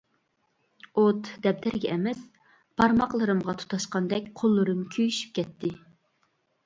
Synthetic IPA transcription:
ot̪d̪ɛp̚d̪ɛɾɡʲɛʔɛmɛs | pʰɑɾmɑqlˠɨɾɨmʁɑt̪ʰu̥t̪ʰɑʃqɑnd̪ɛkʲqʰolˠːɨɾɨmkʲʰøjyʃy̥p̚kʲɛt̪ʰːɪ

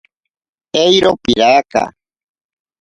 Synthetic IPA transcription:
ejɾopiɾaka̰

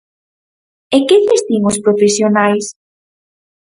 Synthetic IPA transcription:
ekeðest̪iŋʊspɾofesjonajs

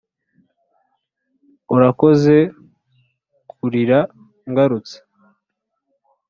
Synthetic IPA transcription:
oɾako̞ze̞ | kʰuɾiɾa | ŋɡaɾut͡se̥

